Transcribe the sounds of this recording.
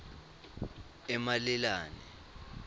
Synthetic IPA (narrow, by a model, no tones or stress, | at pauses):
ɛmalɛlaːnɛ̰